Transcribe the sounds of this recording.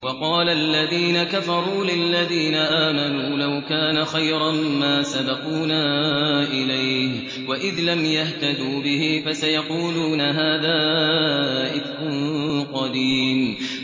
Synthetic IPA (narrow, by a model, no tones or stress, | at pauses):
wɑqɑːlaʔlːaðiːnakafɑɾˤuːlɪlːaðiːnaʔaːmanuːlawkaːnaxajɾˤɑmmaːsabɑquːnaːʔɪlajh | waʔɪðlamjaht̪ad̪uːbɪhɪfasajɑquːluːnaɦaːðaː | ʔɪt̪qʊnqɑd̪iːm